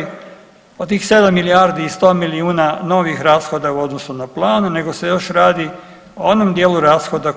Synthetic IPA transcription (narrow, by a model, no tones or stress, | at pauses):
i | ot̪t̪iːxse̞d̪amːiliaːɾd̪iːst̪o̞ːmiliuːnano̞ʋixɾaːsxo̞d̪auo̞d̪nosunaplˠaːnune̞ɡo̞se̞jo̞ʃɾaːd̪i | oonomd̪jeːluɾaːsxo̞d̪a